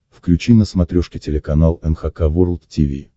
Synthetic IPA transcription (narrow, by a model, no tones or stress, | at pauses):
fklʲʉt͡ɕinəsmɐt̪ɾʲoʂkʲɪtʲɪlʲɪkɐnalˠɛnxɐkavuɾlˠt̪tʲivʲḭ